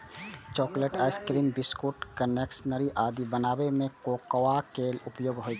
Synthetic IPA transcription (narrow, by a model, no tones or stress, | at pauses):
t͡ʃɔːkleʈaɪskɾiːmbiskuʈkəneksnəɾiʔaːd̪ibənaːbemẽkoːkwakeːlʊpjoːɡɦod͡ʒa